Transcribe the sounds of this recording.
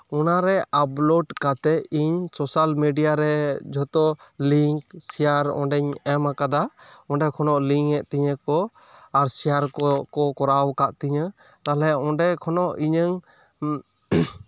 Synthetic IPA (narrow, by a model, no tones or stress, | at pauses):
ɔnaɾɛʔaplɔɖkat̪ɛiɲsɔsalmiɖijaɾɛd͡ʒʱɔt̪ɔliŋksijaɾɔ̰̃ɖɛɲɛmakad̪aɔ̃ɖɛkʰɔnɔʔliŋɛʔt̪iɲəkɔ | aɾsijaɾkɔkɔkɔɾawkaʔt̪iɲə | t̪alɛɔ̃ɖɛkʰɔnɔʔiɲəŋ